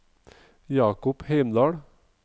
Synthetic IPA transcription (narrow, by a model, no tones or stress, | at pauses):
jɑːkʊpheɪmd̪ɑːɽ